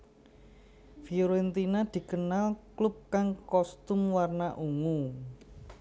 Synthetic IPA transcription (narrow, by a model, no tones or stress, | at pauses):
fioɾent̪inad̪̥i̤kənalklʊp̚kaŋkɔst̪ʊmwarnaʔuŋu